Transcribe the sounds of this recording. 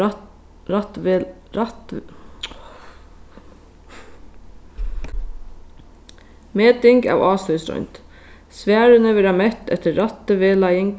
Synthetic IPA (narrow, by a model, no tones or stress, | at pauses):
ɑt̪ | t̪ | meːt̪ɪŋɡɑ̰ːʋɑːsœʏsɾɔ̰ʏnt̪ | sʋæːɾənəʋɪɾɑmɛt̪ɛ̰t̪əɾɑt̪əʋeːlɑjəŋ